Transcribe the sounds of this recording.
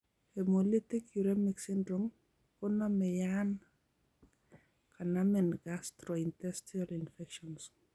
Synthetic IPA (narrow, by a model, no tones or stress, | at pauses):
ɛmolitikuɾemiksindɾɔm | kɔnɔmɛjan | kʰanamɛnɡastɾɔintɛstialinfɛkʃɔns